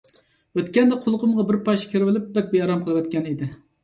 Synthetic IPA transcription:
øt̪kʲɛnd̪ɛqʰolˠqʰʊmʁɑbɪɾpɑʃkʲʰeɾɪvɪlɪp̚bɛk̚ʲbejɑɾɑmqʰəlˠɨwɛt̪̚kʲɛnid̪ɪ

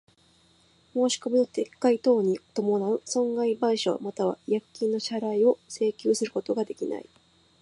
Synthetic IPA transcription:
mo̞ːɕi̥ko̞mʲino̞t̪e̞kːait̪o̞ːɲ̟it̪o̞mo̞naɯ̟sõ̞ŋɡaibaiɕo̰mat̪aβ̞a̰jakkʲːĩnːo̞ɕaɾaio̞se̞ːkʲoːsɨɾɯ̟kot̪o̞ɡad̪e̞kʲina̰i

